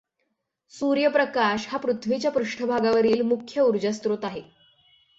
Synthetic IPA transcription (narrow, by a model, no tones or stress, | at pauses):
suɾjəpɾəkaɕhapɾut̪ʰʋit͡ɕjapɾuʂʈʰəbʱaɡaʋəɾiːlmukʰjəuɾd͡ʑəst̪ɾot̪aɦe